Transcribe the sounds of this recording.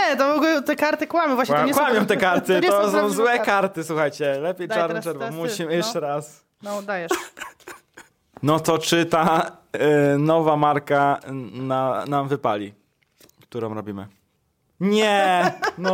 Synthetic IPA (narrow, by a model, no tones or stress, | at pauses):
ɛt̪ɔvɔɡlɛt̪ɛkaɾt̪ɘkwamʲɔ̃vwaɲkwamʲjɔ̃w̃t̪ɛkaɾt̪ɘt̪ɔsɔɔ̃w̃zwɛkaɾt̪ɘswuxajt͡ɕɛlɛpʲjejʈ͡ʂaɾnɛʂɛɾvamuɕimjɛʂt͡ʂɛɾas | nɔd̪ajɛ | nɔt̪ɔt͡ʂɘt̪a | nɔvamaɾkananamvɘpa̰lʲi | kt̪uɾɔ̃w̃ɾɔbʲimɘ̰ | ɲɛnɔ